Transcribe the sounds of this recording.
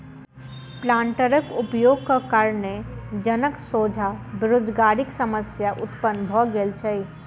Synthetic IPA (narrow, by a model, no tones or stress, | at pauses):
plãːɳʈəɾəkʊpjoːɡ̚kakaɾned͡ʒənəksoːd͡ʒʱabɪɾoːd͡ʒɡaːɾɪksəməsjaʔʊt̪pənbʱɔɡelt͡ʃʰəi